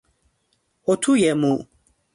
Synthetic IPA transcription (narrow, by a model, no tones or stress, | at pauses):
ɔtʰujɛmũ